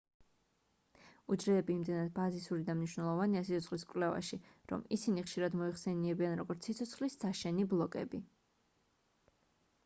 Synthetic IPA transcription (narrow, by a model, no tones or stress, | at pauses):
ud͡ʒɾɛːbiːmd̪ɛnad̪̚bazisuɾid̪amniʃwnɛlˠɔvaniasit̪sʰɔt̪sχliskʼvlɛva̰ʃiɾɔ̰misiniχʃiɾad̪mɔiχsɛniɛbianɾɔɡɔɾt̪sʰit̪sʰɔt̪sχlissaʃɛniblˠɔkʼɛ̰bi